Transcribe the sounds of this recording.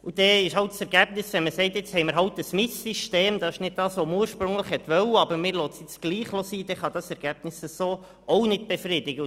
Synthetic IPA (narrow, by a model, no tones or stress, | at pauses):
ud̥̪ɛɪʃhɑlttsɛɾɡ̥æb̥nɪsʋɛnməsɛɪt̪jɪt͡shɛɪməɾɦɑltəsmɪssiʃteːmd̪ɑɪʃnɪd̚d̥ɑːsʋɔməuːɾʃpɾʉŋləχhɛt̪ʋœwəɑbəɾmɪːɾlotsjɪt͡sɡ̥liːχlosiːd̥̪ɛχɑd̪ɑsɛɾɡ̥æb̥nɪsəsoː | ownɪd̚b̥ɛfrɪdɪɡə